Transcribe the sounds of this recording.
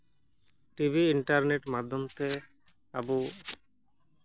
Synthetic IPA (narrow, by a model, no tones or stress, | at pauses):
ʈibʱiiɳʈaɾneʈmad̪ʱːomt̪e | abu